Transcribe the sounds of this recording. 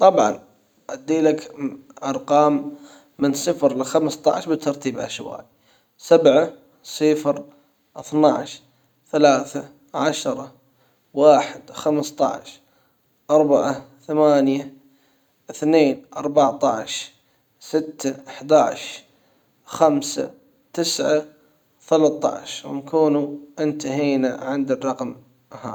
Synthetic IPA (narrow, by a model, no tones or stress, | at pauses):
t̪ˤɑbʕɑ̰n | ʔad̪ːiːlakʔɑɾˤqɑːmː | ɪnsˤɨfɾlɪxamst̪ˤɑ̰ʕʃbɪt̪ʰːɑɾˤt̪ʰiːbʔa̰ʃwa̰ːʔi | sabʕa | sɪfɾ | ʔɪθnaʕʃ | θalaːθa | ʕaʃɾˤɑ | waːħɪd̪xamst̪ˤɑ̰ʕʃ | ʔɑɾˤbaʕaθamaːnja | ʔɪθneːnʔɑɾˤbaʕt̪ˤɑ̰ʕʃ | sɪt̪ːaʔaħd̪aːʕʃ | xamsa̰ | t̪ɪsʕa | θalat̪ˤːɑ̰ʕʃwnkuːnuʔɪnt̪aɦiːna̰ʕɪnd̪ɪrˤːɑqm | ha̰ː